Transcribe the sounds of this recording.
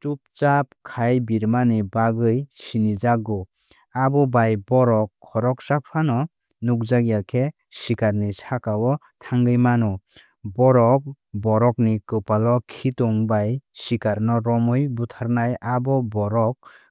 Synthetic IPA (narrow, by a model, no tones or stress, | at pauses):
tup̚t͡ʃap̚kʰajbiɾmanibaɡɯjsinizaɡɔ | abɔbajbɔɾɔkʰːɔɾɔk̚sak̚pʰanɔ | nuk̚zaɡiakʰe | sikaɾnisakawɔ | tʰaŋɡɯjmanɔ | bɔɾɔk̚ | bɔɾɔk̚nikɯpalɔkʰitɔŋbajsikaɾnɔɾɔmɯjbutʰaɾnajabɔbɔɾɔk̚